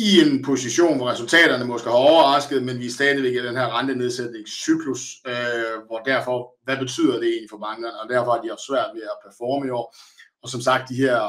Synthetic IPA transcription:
ie̝npʰo̝siɕo̝̰ːnʋɒʁɛsult͡sʰɛ̰ːɾ̥ɐnəmɒ̽sɡ̥əhæɒʊɐʁɑ̈sɡ̥ð̩ˠmenʋisd̥ɛːðˠiʋe̝ɡ̥æd̥enhæɐ̰ʁɑ̈nd̥əne̝ð̞ˠsed̥ne̝ŋsːyɡ̥ʰlus | ʋɒd̥æɐ̰fɒ̽ʋæb̥e̝t͡sʰy̰ð̰ˠɐd̥e̝e̝̰ːnlifɒ̽mɑ̈ŋ̥ɐnəɒ̽d̥æɐfɒ̽hɑ̈d̥iɒsʋæɐ̰d̥ʋe̝æpʰæɐfɒːməɒ | ɒ̽sɒ̽msɑ̈ɡ̥̚d̥ːihæɐ̰

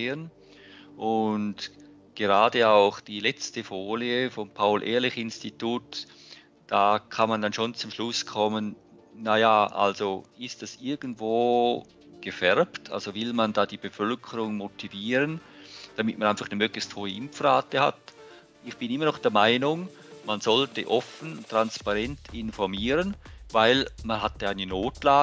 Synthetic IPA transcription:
eːən | ʔʊnd | ɡ̥eʁaːdəaʊχd̥iːlɛt͡stəfoːliəfɔmpʰaʊlʔḛːɐlɪçɪnstituːt | d̥aːkʰanmandanʃoːnt͡sʊmʃlʊskʰɔmən | najaʔa̰lzoɪstd̥asɪɐɡən̩dv̥oː | ɡ̥əfɛʁptʰa̰lzovɪlmandaːdiːb̥əfœlkʰəɾʊŋmotʰiviːɾənd̥amɪt̚manaɪnfaχnəmøːɡlɪçsthoːəʔɪmfraːtəha̰t | ɪçb̥ɪnɪmɐnɔχd̥ɛːɐmaɪnʊŋ | manzɔltəʔɔfən̩tʁ̥anspaʁɛntɪnfɔʁmiːʁənvaɪlmanɦataɪnənoːtlaː

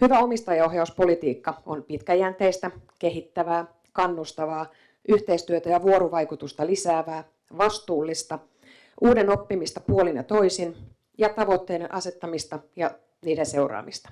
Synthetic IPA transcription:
hyʋæomist̪ɑjɑohjɑuspo̞lit̪iːkːɑonpit̪kæjænt̪eist̪æke̞ɦit̪ːæʋæː | kɑnːust̪ɑʋɑː | ʔyht̪eist̪yøt̪æjɑʋuoɾuʋɑjkut̪ust̪ɑlisæːʋæː | ʋɑst̪uːlːist̪ɑ | ʔuːdeno̞pːimist̪ɑpuolinjɑ̰t̪o̞isin | jɑt̪ɑʋot̪ːeːneʔɑset̪ːɑmist̪ɑjɑ | niːdense̞urɑ̰ːmist̪ɑ̥

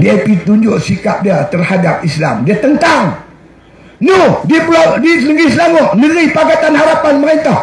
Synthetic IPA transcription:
diapit̪uɲd͡ʒʊʔsikap̚diat̪ərhadap̚isla̰mdiat̪ənt̪aŋ | nohdiplɔdiləŋɡislamɔhmiɾipaɡat̪anɦaɾapanməɾɛnt̪ah

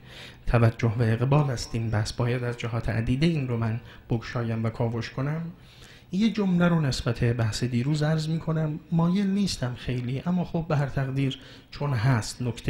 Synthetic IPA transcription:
t̪ʰævæd͡ʒːohbeeɣbɒːlhæst̪iːmnbæhsbɒːjæd̪æzd͡ʒæɦɒːt̪ʰḛʔæ̰d̪iːd̪eiːnromæn | b̥oɡʃɒːjæmvækʰɒːvoʃkʰo̞næm | jed͡ʒo̞mleɾone̞sbæt̪ʰe̞bæhsed̪iːɾuːzæɾzmiːkʰo̞næmːɒːje̞lniːst̪ʰæmxe̞jliːʔæmːɒːxobːeɦæɾt̪ʰæɣd̪iːɾ | t͡ʃʰo̞nɦæst̪nokʰt̪ʰe

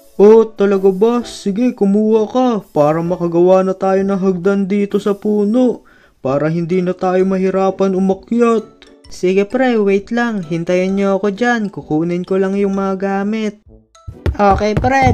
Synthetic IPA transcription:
ʔot̪ɐlɐɡabasːɪɡɛkʊmuːhɐkɐpaːɾɐmɐkɐɡɐwaːnɐt̪aːjo̞nɐŋɦɐɡ̚d̪ɐnd̪iːt̪o̞sɐpuːnoʔ | paːɾɐɦɪnd̪iːnɐt̪aːjomɐɦɪɾaːpɐnʊmɐkjot̪̚ | siːɡɛpɾɛwejt̪lɐŋɦɪnt̪ɐjɐnɲoɐko̞d͡ʒankʊkuːnɪnkolɐŋjʊŋmɐŋɐɡaːmɪt̪̚ | ʔoːkɛpɾɛ

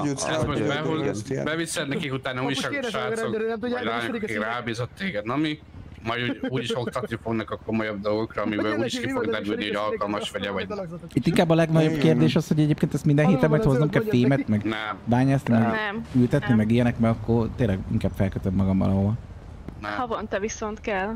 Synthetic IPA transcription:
ɛt̪moʃbɛolbɛvisɛnɛkikut̪aːnɒuːɟiʃɒʃaːoklaːɲɔkkikraːbiːzot̪ːeːɡɛd̪nːmi | mɒjd̪uɟuːɟiʃo̞k̚t̪ɒt̪nifo̞ɡnɒkɒko̞mojɒb̚d̪olɡo̞krɒːmibøːluːɟiʃkifoɡd̪ɛɾylnihoɒlkɒlmɒʃʋɒɟɛvɒɟ̪it̪ːiŋkaːbːɒlɛɡnɒɟo̞b̥keːrd̪eːʃɒsho̞ɟɛɟeːpkeːnt̪ɛst̪mind̪ɛnɦeːt̪ɛmːɒjt̪hoznɛmkɛlfeːmɛt̪mɛɡnɛmbaːɲaːsnimɛɡnɛmylt̪ɛt̪nimɛɡijɛnɛkmɛɡɒkːort̪eːlːɛɡḭŋkaːb̥fɛlkøt̪øbmɒɡɒmvɒ̰lɒɦoɒl | nɛhɒvont̪ɛvisont̪kɛl

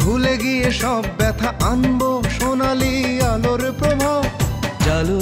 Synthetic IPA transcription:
bʱuleɡijeʃɔbːɛt̪ʰaʔanboʃonalialoɾpɾobʱad͡ʒalu

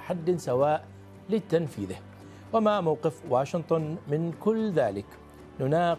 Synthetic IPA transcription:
ħad̪ːɪsawaːʔ | lɪt̪anfiːðɪh | wamamawqɪfwaːʃɪnt̪ˤʊnmɪnkʊlːðaːlɪk | nʊnaː

